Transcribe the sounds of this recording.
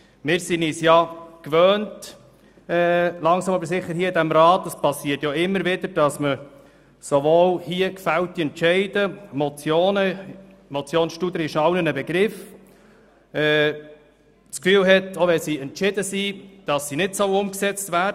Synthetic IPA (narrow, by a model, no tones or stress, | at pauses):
mɪːɾsiniːsjɑkʋøːnt | ɛlɑŋsɑmɑbəɾsɪχːəɾhiːəɪdæmɾɑːtːəspɑsːiːtjoɪmːəɾʋɪd̥̪əɾd̥ɑsmə | soʋoːlhiəkfælt̪ːiɛntt͡ʃɛɪd̥əmɔt͡sjoːnə | mɔt͡sjoːnsʃtud̪ɾɪʃɑwnənəbɛɡ̥ɾɪf | ɛː | t͡skfyːlɦɛtoʋɛsiɛntʃɪdəsid̥ɑsːinɪtsɔʊʊmksɛt͡stvæːd